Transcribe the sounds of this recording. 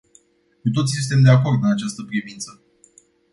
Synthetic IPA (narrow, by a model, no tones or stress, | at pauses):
kut̪o̞t̪sisunt̪e̞md̪eako̞rd̪ɨnat͡ʃast̪əpɾivint̪sə